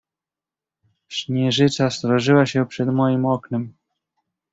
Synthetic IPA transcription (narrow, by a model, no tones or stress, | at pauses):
ɕɲɛʐɘt͡ʂast̪ɾɔʐɘwaɕɛpʂɛd̪mɔjimɔknɛm